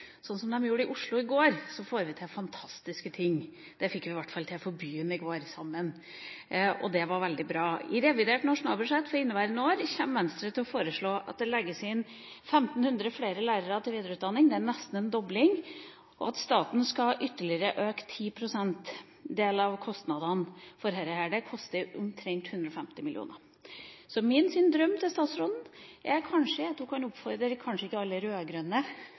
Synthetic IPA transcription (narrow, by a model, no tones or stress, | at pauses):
sɔnːsɔmd̪ɛmjuːɾəɪʔʊʂɭʊɪɡoːɾsɔfoːɾʋɪt̪ʰɪlfɑnt̪ʰɑst̪ɪskət̪ʰɪŋː | d̪̥ɛfɪkːʋɪʋæʈːfɑlt̪ʰɪlfɔɾbyːənɪɡoːɾsɑmːən | ɔ̰d̪ɛʋɑɾʋɛld̪ɪbɾɑːɪɾɛʋɪd̪eːʈnɑʂʊnɑːlbʉʂɛt̪ːfɔɾɪnːəʋæɪɾənoːɾçɛmʋɛnst̪ɾət̪ʰɪlɔfoːɾəʂɭoːʔɑ̰t̪̚d̪ɛlɛɡːəsɪn | fɛmt̪n̩hʉnd̪ɾəfleːɾəlæɪɾəɾɑt̪ʰɪlʋiːd̪ɾʉːt̪d̪ɑnːɪŋd̪ɛænɛst̪n̩ɛnd̪ɔblɪŋ | ʔɔ̰ɑt̪st̪ɑːt̪n̩skɑʔʏt̪ːəɭɪəɾəʔøːkt̪ʰiːpʰɾʊsɛnt̪ | d̪eːlɑʋkʰɔst̪nɑd̪ɑnfɔɾɦɛɾəhæɖəkʰɔst̪əɾʊmt̪ʰɾɛŋt̪hʉnd̪ɾɔfɛmt̪ɪmɪlɪṵːnə̰ɾ | sɔmɪnsʏnd̪ɾœmːt̪ʰɪlst̪ɑːt̪sɾɔːd̪n̩ʔɛɾkʰɑnʂəɑt̪hʊkʰɑnʊpfɔɾd̪əɾkʰɑnʂəɪkːəɑlːəɾøːɡɾœnːə